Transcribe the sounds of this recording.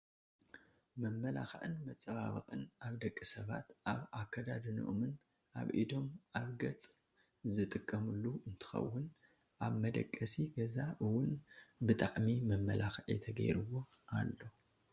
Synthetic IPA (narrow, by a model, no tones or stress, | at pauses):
mɐmːɐlaxɐʔɨnmɐt͡sʼɐβaβɨxʼɨnaβd̪ɐkʼːɨsɐβa̰t̪ʔaβakʰːɐd̪ad̪ɨnɨ̰ʔomɨn | ʔa̰βʔid̪o̞mʔaβɡɐt͡sʼ | zɨt̪ʼɨkʼːɐmɨlːuɨnt̪ʰɨ̥xɐ̰wːʊn | ʔaβmɐd̪ɐ̰kʼːɐsiɡɐzaʔɨwʊnbɨt̪ʼaʕmimɐmːɐlaxɐʕḭt̪ʰɐɡɐ̰jɾɨwo̞ʔalːo̞